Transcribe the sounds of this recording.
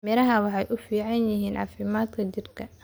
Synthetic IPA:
mɛlɐɦɐwɑħɑjʔʊfiːʕɑnjɪɦiːnʕɑ̰fɪmaːd̪kʰɐt͡ʃɪrkʰɐ

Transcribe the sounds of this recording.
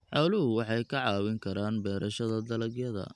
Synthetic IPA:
ħɑwlʊɦʊwɑħɑjkʰɐʕɑːwɪŋkʰɐɾaːnbɛːɾʔɐʃɐðɐd̪ɐlɐɡjɐðɐ̰

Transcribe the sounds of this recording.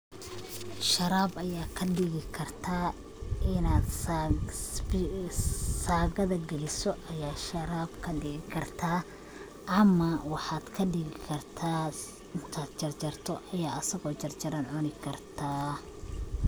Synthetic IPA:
ʃɐɾaːbɐjaːkʰɐɖɪɣɪkʰɐrt̪ʰaː | ɪnaːd̪ | saːɣɐðɐɡɛlɪsɔʔɐjaːʃɐɾaːbkʰɐɖɪɣɪkʰɐrt̪ʰaː | ʔɐmɐwɑħɑːd̪̥kʰɐɖɪɣɪkʰɐrt̪ʰaː | ɪnt̪ʰaːd̪t͡ʃɐrt͡ʃɐrt̪ʰɔʔɐjaːɐsɐɣɔːt͡ʃɐrt͡ʃɐɾɐnʕʊnɪkʰɐrt̪ʰaː

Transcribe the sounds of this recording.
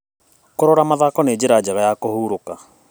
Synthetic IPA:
koɾɔɾamaðakɔneːd͡ʑeɾad͡ʒaɣajakohuːɾoka

